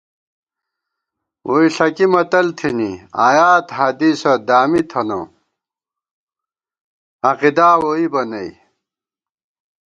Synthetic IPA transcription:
wʔoiɬɐkimɐt̪ɐlt̪ʰinia̰ːjaːt̪hɐd̪iːsɐd̪aːmit̪ʰɐno̰ | ɐqid̪aːwoibɐnɐj

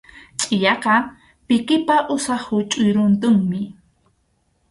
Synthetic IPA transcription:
t͡ʃʼɪjɑqɑ | pɪkɪpaʔʊsɑχʊt͡ʃʼʊjɾʊnt̪ʊŋmɪ

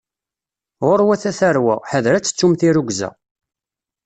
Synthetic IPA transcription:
ʁʊɾwæθæθæɾwæ̰ħəðɾæt͡sːə̥t͡sːumθiɾuɡʷzæ̰

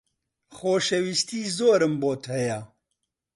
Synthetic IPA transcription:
xoːʃewist̪iːzoːɾɨmboːt̪hɛja

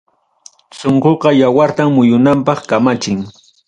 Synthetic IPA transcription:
soɴɢoqɑjawaɾt̪amːʊjʊnampɑχkamat͡ʃɪŋ

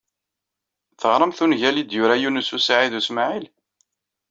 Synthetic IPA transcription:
θəʁɾˤəmθunʝælid̪jʊɾæjunəsusaʕiðusmaʕil

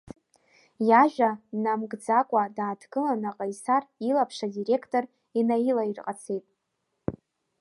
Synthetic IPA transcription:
jaʒᶣanamɡd͡zakʷʼadaːdʰɡɨlanaqʼajsarilapʰʂadire̞kʰtʼor | inajilairqʼat͡sʰe̞jtʼ

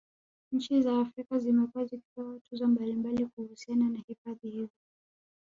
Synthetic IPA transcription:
ɲ̩t͡ʃizaːfɾikazimɛkuaziki̥tɔatuzɔmbalimbalikuhusiananahifaðihizɔ

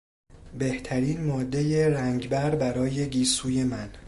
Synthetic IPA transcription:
be̞ht̪ʰæɾiːnmɒːd̪ːe̞jeɾæŋɟbæɾbæɾɒːje̞ɡiːsuːje̞mæn

